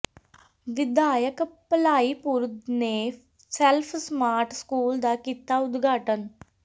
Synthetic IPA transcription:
ʋɪd̪aːjəkpəlaːiːpuɾd̪neː | sɛlpʰsmaːɾʈʰskuːld̪aːkiːt̪aːʊd̪ɡʱaːʈən

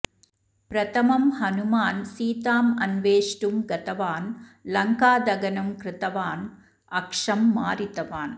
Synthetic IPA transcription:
pɾɐt̪ɐmɐmhɐnumaːnsiːt̪aːmɐnʋeːʂʈumɡɐt̪ɐʋaːnlɐŋkaːd̪ɐɡɐnɐmkɾɪt̪ɐʋaːn | ɐkʂɐmːaːɾit̪ɐʋaːn

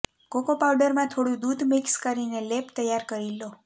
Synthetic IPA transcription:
kokopawɖəɾmãt̪ʰoɽjũd̪ud̪mikskəɾinelept̪əjːaɾkəɾilo

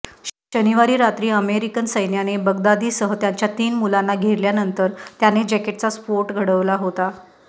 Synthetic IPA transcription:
ɕəniʋaɾiːɾat̪ɾiːəmeɾikənsəjnjanebəɡd̪ad̪iːsəɦət̪jaɲt͡ɕjat̪iːnmulanːaɡʱeɾljanənt̪əɾt̪janed͡ʑɛkeʈ̚t͡saspoɾʈɡʱəɽəʋlaɦot̪a

